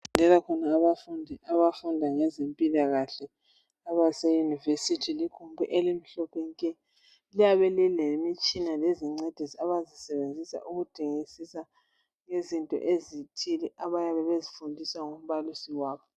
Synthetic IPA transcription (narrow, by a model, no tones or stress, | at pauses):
ɛlakʰɔnaːβafundʱiaβafundʱaŋɛzempʼilaɣaɬɛ | aβasejunivesitʰilikʰumbʱṵʔelim̩ɬɔpʰɛŋikʼɛ | lijaβɛlilemit͡ʃʼinaleziŋ͡ǀed̥ʱisiaβazisɛβend͡zʱisa̰ʔuɣud̥ʰʼʱiŋisisa | ŋezintʼɔ̰ʔezitʰilɛʔaβajaβɛβezifundʱiswaŋom̩βalisiwaːβɔ